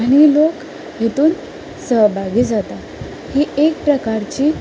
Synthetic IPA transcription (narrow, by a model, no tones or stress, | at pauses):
aɽ̃ilok | ɦet̪uːn | səɦbʱaɡiːd͡zat̪a | hiːek̚pɾəkaɾt͡ɕiː